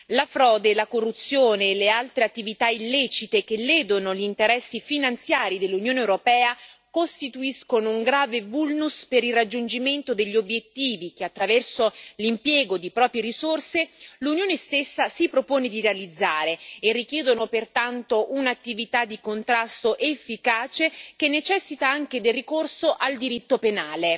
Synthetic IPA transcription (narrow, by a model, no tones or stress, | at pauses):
lafɾɔːd̪elakorːut̪sːjoːneːlealt̪ɾeat̪ːivit̪ailːɛːt͡ʃit̪ekelːeːd̪onoʎint̪eɾɛsːifinant̪sjaːɾid̪elːunjoːnewɾopɛːakost̪it̪uiskonouŋɡɾaːvevulnuspeɾilrːad͡ʒːund͡ʒiment̪od̪eʎːiobjet̪ːiːvikeat̪ːɾavɛrsolimpjɛːɡod̪ipɾɔːpɾjeɾisorselunjoːnest̪esːasipɾopoːned̪iɾealid̪zːaːɾeːrːik̟jɛːd̪onopert̪ant̪oʔunat̪ːivit̪ad̪ːikont̪ɾast̪oʔefːikaːt͡ʃekenːet͡ʃɛsːit̪aaŋk̟ed̪elːikorsoʔald̪iɾit̪ːopenaːle